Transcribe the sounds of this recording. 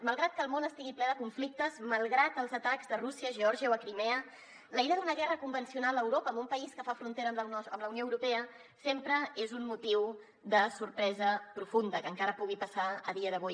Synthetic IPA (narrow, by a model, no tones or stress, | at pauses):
məlˠɣɾat̪̚kəlˠmonəst̪iɣiplɛðəkuɱflik̚t̪əzməlˠɣɾat̪əlˠzət̪akzðərusiəʒəɔɾʒiəoəkɾimɛə | ləiɾəðunəɣɛrəkumbənsiunaləwɾopəːmbumpəiskəfafɾunt̪eɾələmləwnioəwɾupɛə | sempɾəezummut̪iw | d̪əsuɾpɾɛzəpɾufund̪əkəŋkaɾəpuɣ̞ipəsaə̰ðiəðəβoj